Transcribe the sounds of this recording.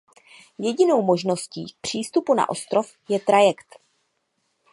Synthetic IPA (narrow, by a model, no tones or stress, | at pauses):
jɛɟɪno̞wmo̞ʒno̞scḭːk̚pr̝̥iːst̪upuna̰ʔo̞st̪ɾo̞f | jɛt̪ɾajɛkt̪